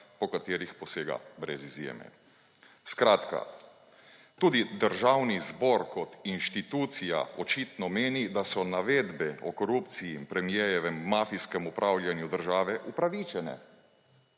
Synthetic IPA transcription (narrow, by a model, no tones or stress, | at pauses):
pɔkat̪eːɾixpɔseːɡa̰bɾɛzizjḛːmɛ̰ | skɾaːt̪ka̰ | t̪uːd̪id̪əɾʒawnizbɔɾkɔt̪inʃt̪it̪uːt̪sija̰ɔt͡ʃiːt̪nɔmeːnid̪asɔnaʋeːd̪bɛɔkɔɾupt̪sijiːmpɾɛmjɛjɛʋɛmːaːfiskɛmupɾʔawljanjud̪əɾʒaːʋɛʔupɾaʋit͡ʃɛnɛ̰